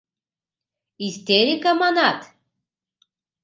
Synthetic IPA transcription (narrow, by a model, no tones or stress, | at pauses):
ist̪ʲeɾʲikamɑnɑt̪